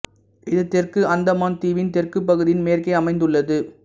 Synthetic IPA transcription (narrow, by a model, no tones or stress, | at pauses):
ɪðɯt̪ːɛrkɯʔɐnd̪ɐmaːnt̪iːʋɪnt̪ɛrkɯpːɐɣɯðɪjɪnmeːrkɐɪɐmɐɪnd̪ɯɭːɐðɯ